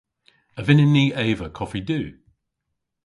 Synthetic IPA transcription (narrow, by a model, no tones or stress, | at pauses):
əvɪnɪniːʔeːvəkʰɔfidʉː